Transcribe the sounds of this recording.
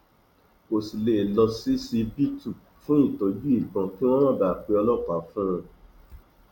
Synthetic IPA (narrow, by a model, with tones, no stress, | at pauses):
o˨si˨le˨lɔ˧si˦si˧bi˦tu˦˨ | fũ˦i˦˨to˨d͡ʒu˦i˦˨ɡ͡bɔ̃˧kĩ˦wɔ̃˦wɔ̃˦˨ba˨k͡pe˧ɔ˧lɔ˦˨ta˨˦fũ˦˧